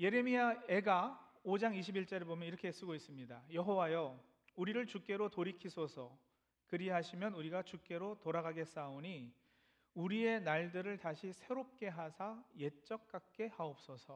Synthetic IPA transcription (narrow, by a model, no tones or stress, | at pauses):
je̞ɾe̞miae̞ɡaod͡ʑaŋiɕʰibiɭt͡ɕ͈ʌɾebomjʌniɾʌkʰe̞s͈ɯɡois͈ɯmɲidajʌɦowajo | uɾiɾɯɭt͡ɕuk͈e̞ɾotoɾikʰisʰosʰʌ | kɯɾiɦaɕʰimjʌnuɾiɡat͡ɕuk͈e̞ɾotoɾaɡaɡe̞s͈aoɲi | uɾie̞naɭdɯɾɯɭtaɕʰisʰe̞ɾop̚k͈e̞ɦasʰaje̞t͡ɕ͈ʌk̚k͈ak̚k͈e̞haop̚s͈ʌsʰʌ